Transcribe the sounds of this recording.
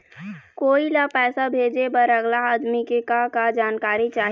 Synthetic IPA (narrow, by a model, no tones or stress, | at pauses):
koːilapɛːsabʱeːd͡ʒebəɾəɡlaaːd̪mikekakad͡ʒaːnkaːɾit͡ʃaːɦ